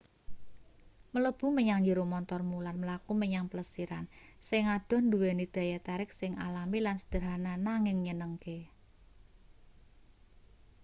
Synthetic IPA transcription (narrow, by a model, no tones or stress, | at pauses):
mələb̥ṳməɲaŋd͡ʒəɾomɔnt̪ɔrmulanməlakuməɲaŋpələsiɾansɪŋad̥ɔ̤nd̪uwenid̪̥ä̤jat̪aɾɪk̚sɪŋa̰lamilansə̥d̪̥ə̤ɾɦananaŋɪŋɲənəŋke